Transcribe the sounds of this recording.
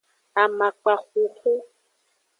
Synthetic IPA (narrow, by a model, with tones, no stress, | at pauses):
a˨ma˨k͡pa˨ɣu˨xʊ˦